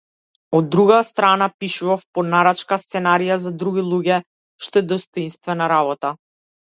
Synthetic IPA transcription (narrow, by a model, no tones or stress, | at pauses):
ɔd̪ːɾuɡast̪ɾanapiʃuvafpɔnaɾat͡ʃkast̪sɛnaɾijazad̪ɾuɡʲilˠuɡɛ | ʃt̪ɔɛd̪ɔst̪ɔinst̪vɛnaɾaβɔt̪a